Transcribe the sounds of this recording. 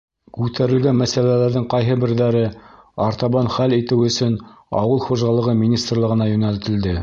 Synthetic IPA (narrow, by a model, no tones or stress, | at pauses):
kʉt̪æɾɘ̆lɡænmæsælælæɾðɘŋqɑjɦɤbɘ̆ɾðæɾɘ | ɑɾt̪ɑβɑnχælit̪ɘwɵ̆sɵn | ɑ̰wɤlˠχuʒɑlˠɤ̆ʁɤmʲinʲist̪rlˠɤ̆ʁɤ̆nɑjɵ̆nælt̪ɘ̆ld̪ɘ